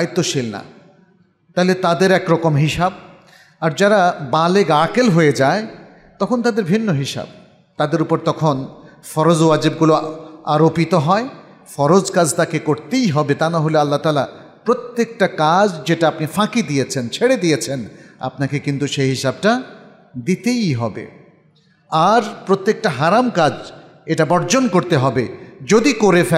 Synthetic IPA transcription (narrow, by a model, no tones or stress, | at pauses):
ajt̪ːoʃilna̰ | t̪aɦilet̪ad̪eɾɛkɾɔkomɦiʃab̚ | aɾd͡ʑaɾabaleɡakelɦojed͡ʑae | t̪ɔkʰont̪ad̪eɾbʱinːoɦiʃa̰b̚ | t̪ad̪eɾupoɾt̪ɔkʰonfɔɾod͡ʑwad͡ʑib̚ɡuloaɾopit̪oɦɔe | fɔɾod͡ʑkad͡ʑt̪akekoɾt̪ejɦɔbet̪anaɦolealːat̪aːla̰ | pɾot̪ːek̚ʈakad͡ʑd͡ʑeʈaapnifãkid̪ijet͡ɕʰent͡ɕʰeɽed̪ijet͡ɕʰena̰pnakekint̪uʃeɦiʃab̚ʈa | d̪it̪ejɦɔbḛ | aɾpɾot̪ːek̚ʈaɦaɾamkad͡ʑ | eʈabɔɾd͡ʑonkoɾt̪eɦɔbed͡ʑod̪ikoɾefɛ